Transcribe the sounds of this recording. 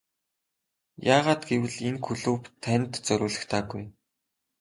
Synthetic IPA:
jaːʁaːt̪ɡewɘ̆ɮenxɵɮuːpt̪ʰːænʲt̪t͡sɵɾʊːɮɘ̆xt̪ʰaːɡuj

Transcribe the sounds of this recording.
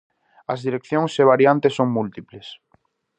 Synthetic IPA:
ɐzðiɾek̚θjõŋseβ̞aɾjant̪esːoŋmult̪iples

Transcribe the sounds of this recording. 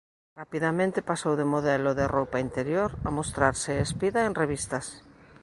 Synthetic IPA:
rapiðamẽnt̪ɪpasowðemoðɛlʊðerowpaint̪eɾjoɾa̰most̪ɾaɾsɪespiðaenreβist̪ɐs

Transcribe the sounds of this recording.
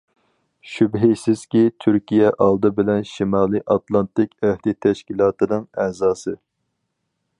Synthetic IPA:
ʃybɦisɪz̥kʲit̪ʰyɾkʲijɛʔɑlˠd̪ɨbɪlɛnʃimɑːlˠɨʔɑt̪lˠɑnt̪ɪkʲæhd̪ɪt̪ʰɛʃkʲilˠɑːt̪ɨnɨŋɛzɑːsɨ

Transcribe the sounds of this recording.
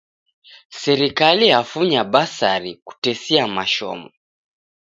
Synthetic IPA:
sɛɾikalihafuɲabasaɾiku̥tɛsiamaʃɔ̰mɔ

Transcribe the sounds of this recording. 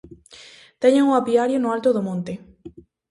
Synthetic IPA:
t̪eɲeŋʊapiaɾjonʊalt̪ʊðomõnt̪e

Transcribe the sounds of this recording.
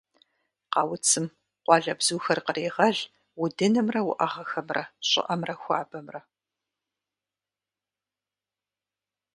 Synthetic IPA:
qɑːwʊt͡sʰɨm | qʷɑɮɐbz̥uːxɐrqəreːʁɐɮ | ʊdɨnɨmrɐwʊʔɐʁɐxɐmrɐɕʼɪ̰ʔɐmrɐxʷa̰ːbɐmrɐ

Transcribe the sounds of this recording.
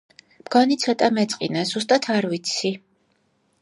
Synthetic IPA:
mɡɔnit̪sʰɔt̪ʼamɛt̪sʼqʼḭnazus̬t̪ʼat̪ʰaɾvit̪sʰi

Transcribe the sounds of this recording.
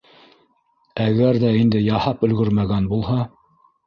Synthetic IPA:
æɡæɾðæind̪ɘjɑhɑpɵ̆lɡɵɾmæɡænbulˠhɑ

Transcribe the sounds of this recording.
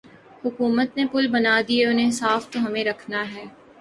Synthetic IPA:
hʊkuːmət̪nepʊlbɐnaːd̪ieʊnɦẽsaːft̪oɦɐmẽɾɐkʰnaɦɛː

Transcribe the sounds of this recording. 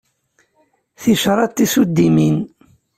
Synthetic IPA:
θiʃɾˤɑt̪ːisud̪ːimin

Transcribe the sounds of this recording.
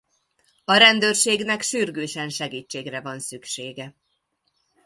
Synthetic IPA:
ɒɾɛnd̪øːrʃeːɡnɛkʃyrɡøːʃɛnʃɛɡiːt͡ʃːeːɡrɛvɒnsykʃeːɡɛ

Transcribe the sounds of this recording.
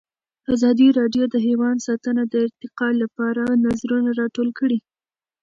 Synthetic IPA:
azɑd̪iɾɑɖjod̪əɦewɑnd̪sɑt̪ənad̪əɪɾt̪ɪqɑlapɑɾanazɾunaɾɑʈolkəɽi

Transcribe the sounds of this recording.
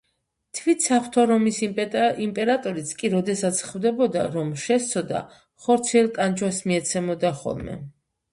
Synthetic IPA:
t̪ʰvit̪sapʰt̪ʰɔɾɔmisimpʼɛɾat̪ʼɔɾit̪sʰkʼiɾɔd̪ɛsat̪sʰχvd̪ɛbɔd̪a̰ɾɔmʃɛst̪sʰɔd̪a̰ | χɔɾt̪sʰiɛlˠt̪ʼand͡ʒwasmiɛt̪sʰɛmɔd̪aχɔ̰lˠmɛ̰

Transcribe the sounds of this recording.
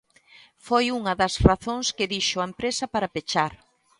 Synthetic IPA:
fojuŋɐðɐsraθoŋskɪðiʃoɐempɾesɐpaɾɐpet͡ʃaɾ

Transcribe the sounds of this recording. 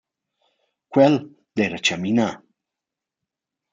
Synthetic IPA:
kʷwel | d̪̥eɾat͡ʃamina

